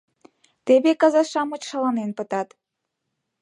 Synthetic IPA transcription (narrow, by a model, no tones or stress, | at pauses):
t̪eβekɑzɑʃɑmə̆t͡ɕʃɑlɑnenpə̆t̪ɑt̪